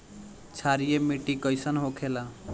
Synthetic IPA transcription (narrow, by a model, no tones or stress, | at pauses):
t͡sʰaɾijemiʈikʌjsʌnɦokʰela